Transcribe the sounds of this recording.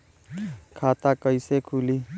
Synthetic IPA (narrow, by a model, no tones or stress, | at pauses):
kʰaːt̪akəɪsekʰuːliː